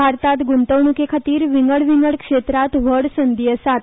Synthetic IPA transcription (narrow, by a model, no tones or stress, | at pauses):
aɾt̪at̪ɡunt̪əʋɳukekʰat̪iːɾʋiŋɡəɭʋiŋɡəɭkʂet̪ɾat̪ʋəɽsənd̪ijəsat̪